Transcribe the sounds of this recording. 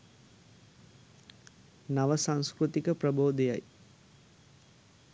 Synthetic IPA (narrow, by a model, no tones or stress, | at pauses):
naʋəsaŋskɾut̪ikəprəboːd̪ejaj